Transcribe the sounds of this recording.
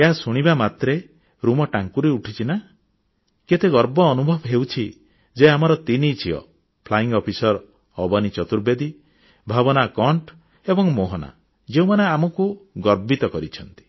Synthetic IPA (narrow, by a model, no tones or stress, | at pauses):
eɦasuɽ̃ibamat̪ɾe | ɾumɔʈaŋkuɾeuʈʰit͡ʃʰina | ket̪eɡɔɾbɔːnubʱɔbɦewt͡ʃʰi | d͡ʒeamɔɾɔt̪init͡ʃʰiɔ̰ | pʰlaiŋɡɔpʰisɔɾ | ɔbɔnit͡ʃɔt̪uɾbed̪i | bʱabɔnakɔɳʈ | ebɔŋmoɦɔna̰ | d͡ʒeũmaneamɔkuɡɔɾbit̪ɔkɔɾit͡ʃʰɔnt̪i̥